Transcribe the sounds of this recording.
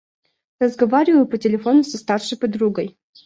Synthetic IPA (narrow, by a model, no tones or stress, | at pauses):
rəzɡɐvaɾʲɪvəjʊpətʲɪlʲɪfo̞nʊsɐst̪arʂɨjpɐd̪ɾuɡəj